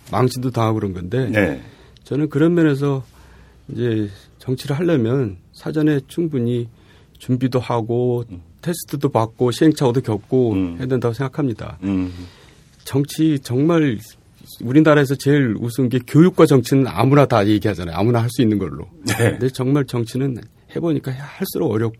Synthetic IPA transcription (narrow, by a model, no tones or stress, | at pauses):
maŋɕʰindotaŋɦaɡɯɾʌnɡʌnde̞ | t͡ɕʌnɯnkɯɾʌmjʌne̞s̬ʰʌ | id͡ʑe̞ | t͡ɕʌŋt͡ɕʰiɾɯɭɦaʎːʌmjʌnsʰad͡ʑʌne̞t͡ɕʰuŋbuɲi | t͡ɕumbidohaɡotʰe̞sʰɯ̥tʰɯdopak̚k͈oɕʰie̞ŋt͡ɕʰaɡodokjʌk̚k͈ohe̞adwendaɡosʰŋɡakʰamɲida̰ | t͡ɕʌŋt͡ɕʰit͡ɕʌŋmaɭ | uɾinaɾaɦe̞s̬ʰʌt͡ɕe̞ɾṵsʰuŋɡe̞kjojuk̚k͈wat͡ɕʌŋt͡ɕʰinɯna̰munataje̞ɡiɦad͡ʑanajo̰a̰munaɦaɭs͈uinːɯnɡʌ̰ɭːo̰ndet͡ɕʌŋmaɭt͡ɕʌŋt͡ɕʰinɯn | he̞boɲik͈ahaɭs͈uɾoɡʌɾjʌp̚k͈o